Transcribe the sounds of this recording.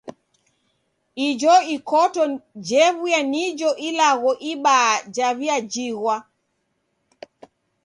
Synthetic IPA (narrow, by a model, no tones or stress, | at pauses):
id͡ʒɔikɔtɔd͡ʒɛβujanid͡ʒɔʔilaɣɔʔiɓad͡ʒaβiad͡ʒiɣwa